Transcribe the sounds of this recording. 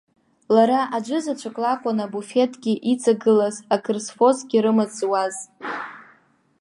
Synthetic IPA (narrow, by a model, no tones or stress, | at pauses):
laɾaʔad͡ʒʷɨzat͡ʃʷʰakʼlakʷʼanabufe̞tʼɡʲiʔit͡sʼaɡɨlazakʰɨrsfo̞zɡʲiɾɨmat͡sʼwaz